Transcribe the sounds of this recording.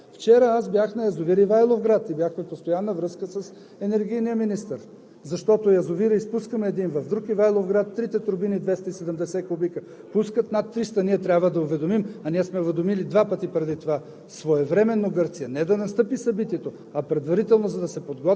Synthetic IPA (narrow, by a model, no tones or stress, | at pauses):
ft͡ʃɛɾəasbjaxnɐjɐzʊviɾivajlˠofɡɾat̪ibʲjaxmɛpost̪ojanːəvɾɤskəsəs | ɛnɛɾɡijnijəminist̪əɾ | zɐʃt̪ɔt̪ojɐzʊviɾiispuskəmɛːd̪invɐvd̪ɾukivajlˠofɡɾat̪ːɾit̪ɛt̪ɾbinid̪vɛst̪əisɛd̪ɛmd̪ɛsɛkʊbikə | puskət̪nɐt̪ːɾist̪ɐniɛt̪ɾʲabvəd̪ɐʊvɛd̪omimɐniɛsmɛʊvɛd̪omilid̪vapət̪ipɾɛd̪it̪ova | svoɛvɾɛmɛnːoɡɤɾt̪sijɛnɛd̪ɐnɐst̪ɤpisɐbit̪iɛt̪o | ɐpɾɛd̪vɐɾit̪ɛlˠnozɐd̪ɐsɛpod̪ɡɔt̪